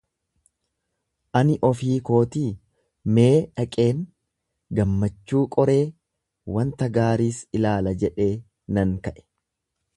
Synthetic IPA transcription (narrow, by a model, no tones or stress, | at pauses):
ʔɐnɪʔɔfiːko̞ːt̪iː | me̞ːᶑɐkʼe̞ːŋ | ɡɐmːɐt͡ʃːuːkʼɔɾe̞ː | wɐnt̪ɐɡaːɾiːsɪlaːlɐd͡ʒɛᶑe̞ː | nɐŋkɐʔɛ̥